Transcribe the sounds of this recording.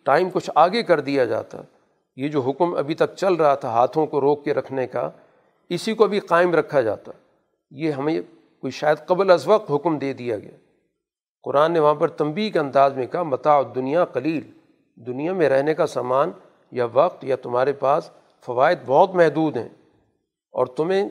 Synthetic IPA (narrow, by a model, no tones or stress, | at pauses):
ʈaːɪmkʊt͡ʃʰaːɡekɐɾd̪ijad͡ʒa̰ːt̪a̰ | jed͡ʒoːɦʊkmɐ̰bʱit̪ɐk̚t͡ʃɐlɾɐɦat̪ʰaɦaːt̪ʰõkoɾoːkːeɾɐkʰneka̰ | ɪsikoɐbʱiqaːɪmɾɐkʰːad͡ʒa̰ːt̪a̰ | jeɦɐmẽ | koːiʃaːjəd̪qɐblɐzʋɐq̚t̪ɦʊkmd̪eːd̪ijaɡɐ̰jaː | qʊɾaːnːeʋɐɦãpɐɾt̪ɐ̃mbiːkeɐ̃nd̪aːzmẽkɐɦamɐt̪aːʊd̪ːʊnijaqɐliːl | d̪ʊnijamẽɾɛɦnekasaːmaːn | jaʋɐq̚t̪jat̪ʊmɦaːɾepaːs | fɐʋaːɪd̪̚bɔɦʊt̪mɛɦd̪uːd̪ɦɛ̰̃ː | ɔ̰ːɾt̪ʊmẽ